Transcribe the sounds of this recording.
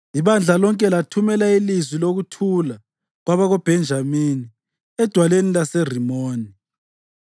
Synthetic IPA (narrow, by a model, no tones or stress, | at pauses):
iβand͡ɮʱalɔŋkʼɛlatʰumɛlailizwiloɣutʰula | ɣwaβaɣob̥ʱɛnd͡ʒʱamini | ɛd̥ʱwalenilasɛr̤imoːni